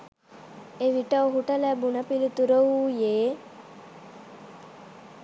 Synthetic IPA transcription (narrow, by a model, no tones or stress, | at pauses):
eʋiʈɐoɦuʈɐlæbunɐpilit̪uɾəuːjeː